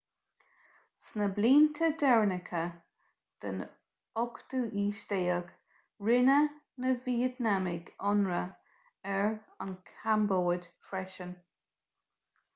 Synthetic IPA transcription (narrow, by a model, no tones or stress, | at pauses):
snəbliːnt̪ʰəd̪ɛɹnɪkʰə | d̪̥ə̰n | ɔkt̪uʔiːʃdeːəɡ̥ | ɹɪnə | nəviːət̪namɪɡɔnɹə | ɛɹ | ənkʰamboːdfɹɛʃən